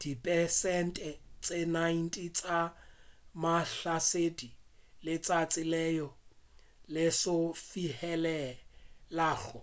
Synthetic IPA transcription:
d̥ipʼɛsɛn̩tʼɛt͡sʼenain̩tʼit͡sʼa | maɬasedilɪt͡sʼat͡sʼɪlɛjɔ | lɪsʊfihɛlɛlaːɬʊ

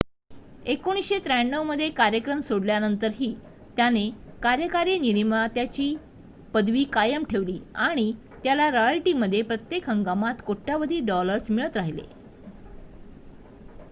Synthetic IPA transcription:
ekoɽ̃isɕet̪ɾajɳːəwməd̪ʱːjekaɾjəkɾəmsoɽljanənt̪əɾɦiː | t̪janekaɾjəkaɾiniɾimat̪jat͡ɕiː | pəd̪ʋiːkajəmʈʰeʋliːaɽ̃i | t̪jalaɾojalʈiməd̪ʱːjepɾət̪jekɦəŋɡamat̪koʈːjaʋəd̪ʱiːɖɔləɾsmiɭət̪ɾaɦilḛ

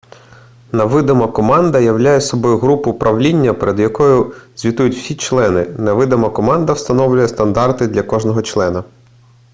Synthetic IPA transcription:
nɐʋɪd̪ɐmɐkɔmɑnd̪ɐjɐwlʲajɛsɔbɔjʊɦɾupʊpɾʔɐʋlʲinʲːɐpeɾed̪jɐkɔjʊz̥ʲʋʲit̪ujʊtʲw̥sʲit͡ʃlˠɛnɪnɐʋɪd̪ɐmɐkɔmɑnd̪ɐwst̪ɐnɔwlʲʊjɛst̪ɐnd̪ɑrt̪ɪd̪lʲɐkɔʒnɔɦɔt͡ʃlˠɛnɐ

